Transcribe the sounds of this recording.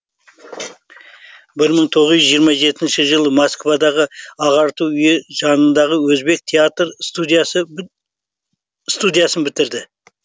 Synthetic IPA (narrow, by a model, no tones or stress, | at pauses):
bɪɾməɴt̪ʰo̞ʁəzʏʒijəɾmɑʒe̞t̪ɪnʃɪʒəlˠəmoskvɑd̪ɑʁəɑʁɑɾt̪uwʏje̞ʒɑnənd̪ɑʁəwɵzbe̞k̚t̪ʲʰeat̪rə | st̪ud̪ijasənbɪt̪ɪɾd̪ɪ